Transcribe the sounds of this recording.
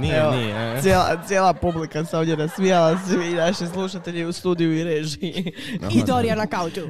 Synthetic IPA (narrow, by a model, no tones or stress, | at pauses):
nieoisjeːla̰t̪sʲje̞ːlˠapublikaseo̞d̪jenasʋijalasiinaʃes̬lˠuʃat̪e̞ʎiust̪uːd̪ijuiɾeːʒi | id̪oɾijanakawt̪u